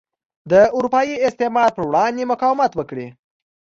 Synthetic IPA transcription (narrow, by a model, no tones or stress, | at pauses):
d̪əʊɾupɑjiɪst̪emɑɾ̚pəɾwɽɑnd̪emʊkɑwɪmat̪wəkɽi